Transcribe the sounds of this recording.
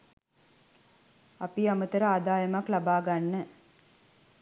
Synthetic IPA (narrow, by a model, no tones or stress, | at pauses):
apiamət̪əɾəaːd̪aːjəmaklabaːɡanːə